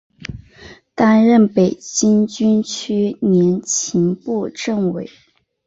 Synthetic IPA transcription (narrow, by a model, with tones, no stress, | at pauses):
t̪a˥nɻə˥˩npe˨˩ɪt͡ɕi˥nt͡ɕy˥nt͡ɕʰy˥njɛ˧˥nt͡ɕʰi˧˥ŋpu˥˧ʈ͡ʂə˥˩ŋwe˨˩˦ɪ